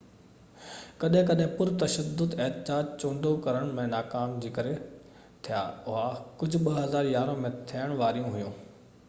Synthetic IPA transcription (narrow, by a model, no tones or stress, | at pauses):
kɐɗɦɪ̃kɐɗɦɪ̃pʊɾt̪ɐʃəd̪ːʊd̪ɪɦt̪ɪd͡ʑaːd͡ʑt͡ɕõːɳɖokɐɾəɽ̃mẽnaːkaːmd͡ʑiːkɐɾe | t̪ʰija̰ːʊɦakʊd͡ʑʱʊ̆ɓɐɦɐzaːɾjaːɾõmẽt̪ʰiəɽ̃ʋaːɾijũɦʊjũː